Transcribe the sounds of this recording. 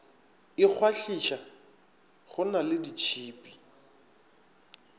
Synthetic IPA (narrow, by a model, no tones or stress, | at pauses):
ɪk͡xʰwaɬiʃa | ɣʊnalɪdit͡ʃʰiːpʼi̥